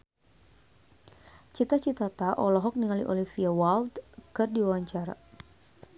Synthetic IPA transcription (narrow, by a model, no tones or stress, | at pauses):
t͡ʃit̪at͡ʃit̪at̪aʔɔlɔɦɔk̚niŋalḭʔɔ̰lifiawalt̪kɨrdiwawaɲt͡ʃaɾa̰